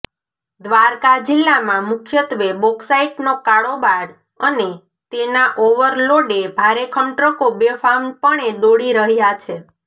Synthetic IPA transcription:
d̪ʋaɾkad͡ʒɪlːamãmʊkʰjət̪ʋebɔksaiʈnokaɽobaɾ | əne | t̪enaʔoʋəɾloɖebʱaɾekʰəɳʈɾəkobefanpəɳed̪oɽiɾəɦjat͡ʃʰe

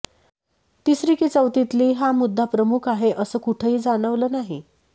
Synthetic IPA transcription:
t̪isɾikit͡səwt̪it̪liːɦamud̪ʱːapɾəmukʰaɦeʔəsəːkuʈʰəɦiːd͡zaɽ̃əʋləːnaɦi

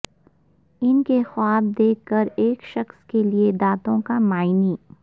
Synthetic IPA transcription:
ɪnkexwaːb̚d̪eːkːəɾeːkʃɐxskelied̪aːt̪õkamaːɪniː

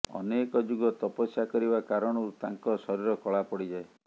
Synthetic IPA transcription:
ɔ̰nekɔd͡ʒuɡɔt̪ɔpɔsjakɔɾibakaɾɔɽ̃ɔɾut̪aŋkɔsɔɾiɾɔkɔɭapɔɽid͡ʒae

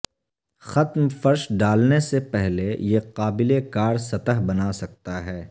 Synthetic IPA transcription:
xɐt̪mfɐɾʃɖaːlnesepɛɦlejeqaːbɪlekaːɾsɐt̪əɦbɐnasɐk̚t̪aɦɛː

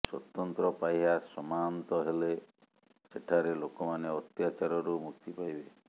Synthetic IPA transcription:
swɔt̪ɔnt̪ɾɔpajɦasɔmant̪ɔɦele | seʈʰaɾelokɔmaneɔt̪jat͡ʃaɾɔɾumukt̪ʰipajbe

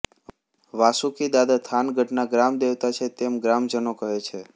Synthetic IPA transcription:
ʋasukid̪ad̪at̪ʰanɡʱəʈnaɡɾamd̪eʋt̪at͡ʃʰet̪emɡɾamd͡ʒənokəɦet͡ʃʰe

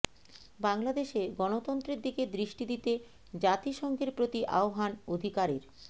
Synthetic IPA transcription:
baŋlad̪eʃeɡɔnot̪ɔnt̪ɾeɾd̪iked̪ɾiʃʈid̪it̪e | d͡ʑat̪iʃɔŋɡeɾpɾot̪iʔa̰oɦanod̪ʱikaɾeɾ

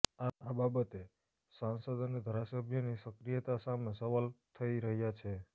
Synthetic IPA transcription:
aababət̪e | sãnsəd̪əned̪ʱaɾasəbʱjənisəkɾijət̪asamesəʋalt̪ʰəiɾəɦjat͡ʃʰe

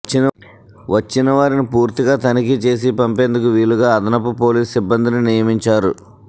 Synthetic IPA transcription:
t͡ʃːinɐ | ʋɐt͡ʃːinɐʋaːɾinipuːɾt̪iɡaːt̪ɐnik̬it͡ʃe̞ːs̬ipɐmpeːnd̪ukuʋiːɭuɡaːɐd̪ɐnɐp̬ːupo̞ːliːsibːɐnd̪ininijɐmiɲt͡ʃaːɾṵ

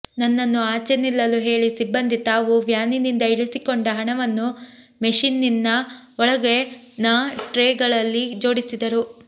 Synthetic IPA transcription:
nɐnːɐnːuaːt͡ʃenilːɐluɦe̞ːɭisibːɐnd̪it̪aːʋuʋjaːninind̪ɐiɭisikoɳɖɐɦɐɳɐʋɐnːu | meʂinːinːɐ | ɔɭɐɡe̞ | naːʈɾeːɡɐɭɐlːid͡ʒo̞ːɽisid̪ɐɾu

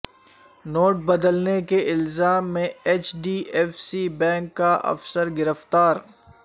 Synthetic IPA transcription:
noːʈ̚bɐd̪əlnekeʔɪlzaːmːẽeːt͡ʃɖiːʔɛːfsibɛ̃ːŋkːaʔɐ̰fsəɾɡɪɾəft̪aːɾ

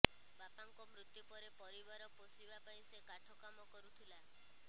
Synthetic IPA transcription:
bapaŋkɔmɾut̪jupɔɾepɔɾibaɾɔposibapaĩsekaʈʰɔkamɔkɔɾut̪ʰila

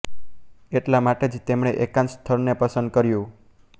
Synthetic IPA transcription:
eʈlamaʈed͡ʒt̪emɽ̃eʔekãnst̪ʰəɾnepəsənd̪̚kəɾjũ

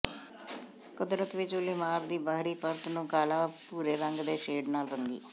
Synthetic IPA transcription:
kʊd̪ɾət̪ʋɪt͡ʃʊliːmaːɾd̪iːbaɦɾiːpəɾt̪nũːkaːlaːpuːɾeːɾəŋɡd̪eːʃeːɖnaːlɾəŋɡḭː

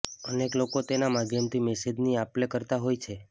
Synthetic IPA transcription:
əneklokot̪enamad̪ʱjəmt̪ʰimɛsed͡ʒniaplekəɾt̪aɦojt͡ʃʰe

